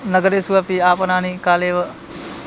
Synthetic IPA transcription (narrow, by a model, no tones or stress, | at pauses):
nɐɡəɾeːsuʋapiaːpənaːniːkaːleːʋə